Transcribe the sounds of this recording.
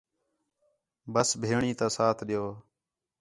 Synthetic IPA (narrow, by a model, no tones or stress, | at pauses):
bəsbʱeːɳiːt̪ãːsaːt̪ʰɗɪjoː